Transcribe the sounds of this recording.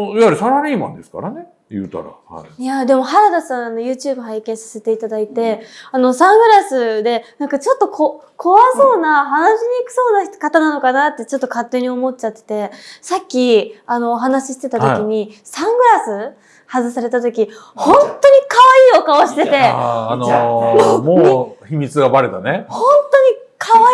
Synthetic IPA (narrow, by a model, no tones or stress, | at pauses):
iaɾisaɾaɾʲiːmã̰nd̪e̞sɨ̥ka̰ɾane̞ | jɯ̟̰ːt̪a̰ɾa̰ha̰ijad̪e̞mo̞ɦaɾad̪asãɰ̃ano̞jɯ̟ːt͡ɕɨːbɯ̟ɦaikẽɰ̃sḁse̞t̪e̞it̪ad̪ait̪e̞ano̞sãŋɡɯ̟ɾasɨd̪e̞nãŋkat͡ɕo̞t̪ːo̞kʰo | kʰo̞βaso̞ːnaɦanaɕiɲ̟iːkɯ̟̥so̞ːnakat̪anano̞kanat̪ːe̞t͡ɕo̞t̪ːo̞kat̪ːe̞ɲ̟io̞mo̞t̚t͡ɕat̪ːe̥t̪e̞sakʲːiano̞ːɦanaɕi̥ɕi̥t̪e̞t̪at̪o̞kʲiɲ̟isãŋɡɯ̟ɾasɨ | hazɨsaɾe̞t̪at̪̬o̞kʲi | hõ̞nt̪o̞ɲ̟ikaβaiːo̞kaoɕi̥t̪e̞t̪e̞an | moːçimʲit͡sɨɡabaɾet̪anehõ̞nt̪o̞ɲ̟ikʰaa